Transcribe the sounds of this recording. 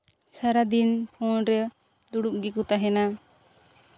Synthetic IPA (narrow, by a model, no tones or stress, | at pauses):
saɾad̪inpʰɔnɾɛ | d̪uɽuʔ̚ɡikut̪aɦɛna